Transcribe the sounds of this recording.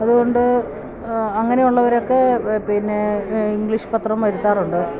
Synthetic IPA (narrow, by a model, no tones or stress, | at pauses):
ɐðuɣo̞ɳɖɨ | ɐŋːɐne̞juɭːɐʋɐɾo̞kːe̞pinːeiŋɡɭiʂpɐt̪rɐmʋɐɾut̪ːaːruɳɖɨ